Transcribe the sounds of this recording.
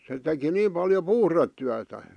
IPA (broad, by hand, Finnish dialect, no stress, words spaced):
se teki niːm pɑljo puhretːyætæ